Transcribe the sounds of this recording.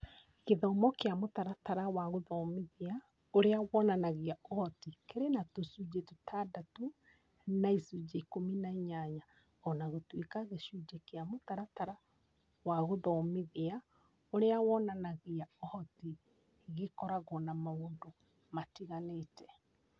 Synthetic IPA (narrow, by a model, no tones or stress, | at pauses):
keðɔmɔkeamotaɾataɾawaɣoðɔmiðea | oɾeawɔnanaɣiaɔhɔtikeɾenatosud͡ʒetotʰadatu | naisud͡ʒeikominaiɲaɲa | ɔnaɣotwekaɣeʃud͡ʒekeamotaɾataɾa | waɣoðɔmiðea | oɾeawɔnanaɣeaɔhɔti | ɣekɔɾaɣɔnamaoːndo | matiɣaletɛ̥